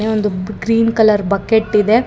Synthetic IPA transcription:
eond̪uɡɾiːnkɐlɐɾbɐkeʈːid̪e̞

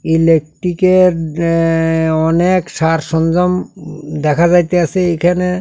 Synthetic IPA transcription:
ilek̚ʈikeɾ | ɔnekʃaɾʃɔnd͡ʑɔmd̪ɛkʰad͡ʑajt̪easʰeejkʰane

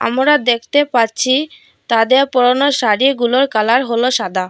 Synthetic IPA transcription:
a̰mɾad̪ekʰt̪epatːɕʰi | t̪ad̪eɾpɔɾonoʃaɾiɡuloɾkalaɾɦoloʃad̪ʱa

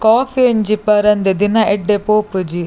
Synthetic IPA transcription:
kaːfiɐɲd͡ʒipɐɾɐnd̪ed̪inɐʔeɖːepoːpud͡ʒi

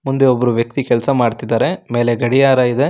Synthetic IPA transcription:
mund̪e̞obːɐɾuʋjɐk̚t̪ikɛlsɐmaːɖt̪id̪aːɾe̞me̞ːleɡɐɽijaːɾɐid̪e̞

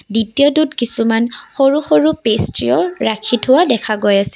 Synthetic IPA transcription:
ditijɔdutkisumanxoɹuxoɹupestɹiɔɹakʰitʰʊwadɛkʰaɡojasɛ̥

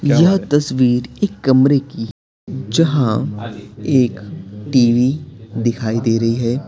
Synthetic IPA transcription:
jɐɦt̪ɐsʋiːɾeːkːɐmɾeki | d͡ʒɐɦã | eːkʈiːʋid̪ɪkʰaːid̪eːɾɐɦiɦɛː

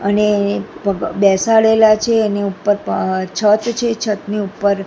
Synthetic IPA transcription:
əneəbɛsaɭelat͡ʃʰeːneupːəɾt͡ʃʰət̪t͡ʃʰet͡ʃʰət̪neupːəɾ

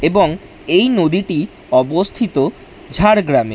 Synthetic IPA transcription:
eboŋ | ejnod̪iʈi | ɔbost̪ʰit̪o | d͡ʑʱaɾɡɾamḛ

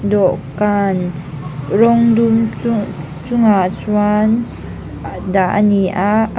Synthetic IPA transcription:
dɔʔkan | rɔŋdum | t͡sʊŋat͡swan | daʔniʔaʔ

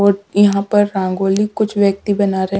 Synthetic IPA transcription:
ɔːɾjɐɦãpɐɾːãːŋɡoːlikʊt͡ʃʰʋjɐk̚t̪ibɐnaːɾeɦ

